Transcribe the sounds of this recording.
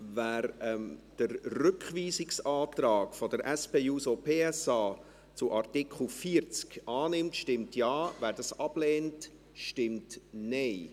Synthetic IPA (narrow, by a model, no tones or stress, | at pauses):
væːɾɛd̥əɾrʏkχviːsɪksɑːtrɑːkfɔd̥əɾʔɛspeːuːsopʰeːɛsɑː | t͡sʊʔɑrtɪkʰl̩fiəɾt͡skʔɑːnɪmtʃtɪmtjɑːvæːɾdɑsɑb̥lɛːnt | ʃtɪmtneɪ